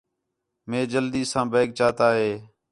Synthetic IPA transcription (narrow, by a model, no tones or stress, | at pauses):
mẽːd͡ʒəld̪iːsãːbeːk̚t͡ʃaːt̪aːɦeː